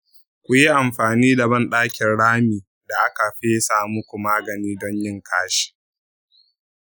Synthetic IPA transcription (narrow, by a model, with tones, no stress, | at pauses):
kʷʊ˨ji˦ʔa˨mɸaː˨niː˦da˨bɐ˦nɗaː˦kʲɪ˨nɽaː˦miː˨ | da˨ʔa˦ka˨ɸeː˦saː˨mʊ˦kʷu˨maː˦ɡɐ˨niː˦dɔ˦ɲjɪ˦ŋkʰaː˦ʃi̥˨